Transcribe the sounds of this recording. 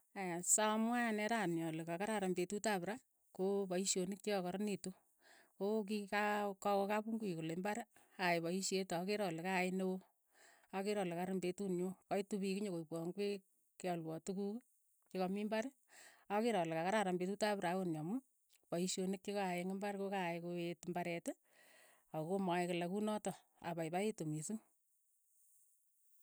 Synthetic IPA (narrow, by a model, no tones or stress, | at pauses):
asamwanɛɾanjɔlɪkakaɾaɾambetutapɾa | kopɔiʃjonɪk̚t͡ʃekakɔɾnitu | kok̬ikakɔkɔkapuŋɡuikolembaɾ | aɪpɔiʃetɔkeɾɔlekaɪnewo | akeɾɔlekaɾɪmbetunɲukɔitupikiɲokoipwɔŋɡwe | kɔlwɔtukuk | t͡ʃekɔmimbaɾ | akeɾɔlɪkakaɾaɾambetutapɾawonjɔmu | pɔiʃonɪk̚t͡ʃekaaɪŋɪmbaɾkokaɪkoetmbaɾɛtɪ | akomaɪklɛkunɔtɔ | a̰pajpaetumisuŋ